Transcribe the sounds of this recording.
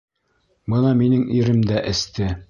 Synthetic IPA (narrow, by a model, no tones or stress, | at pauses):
bɤnɑminɘŋiɾɘmd̪æʔɘ̆st̪ɘ